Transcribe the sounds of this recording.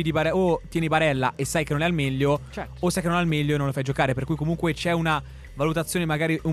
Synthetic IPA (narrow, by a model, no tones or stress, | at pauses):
id̪ipaɾɛot̪ːjɛːnipaɾɛlːa̰ʔesːajkenːonɛalmɛʎːo | osːajkenonɛalmɛʎːononlofajd͡ʒokaːɾeperkujkomuŋkwet͡ʃɛuna | valut̪at̪sːjoːnemaɡaːɾiʔu